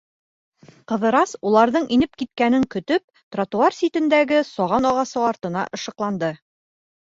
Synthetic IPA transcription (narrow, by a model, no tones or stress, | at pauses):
qɤ̆ðɤ̆ɾɑsulˠɑɾðɤɴinɘp̚kit̪̚kænɘŋkɵ̆t̪ɵp̚t̪rat̪uarsʲit̪ɘ̆nd̪æɡɘsɒʁɑnɒʁɑsɤɒɾt̪ɤ̆nɑ̰ʔɤ̆ʃɤ̆qlˠɑnd̪ɤ